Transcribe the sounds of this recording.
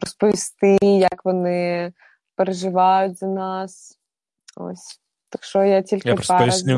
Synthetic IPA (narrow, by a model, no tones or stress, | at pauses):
ɾɔspɔʋʲist̪ɪjɐkʋɔnɪ | peɾeʒɪʋɑjʊtʲzɐnɑs | o̰sʲ | t̪ɐkʃɔjatʲilʲkɪa